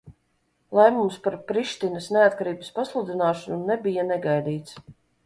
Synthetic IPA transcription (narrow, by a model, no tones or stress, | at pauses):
lˠɛmumspaɾpɾiʃt̪ʲinəsneat̪̚kaɾiːbəspaslˠud̪ʲinaːʃanunebijanɛɡajd̪iːt̪s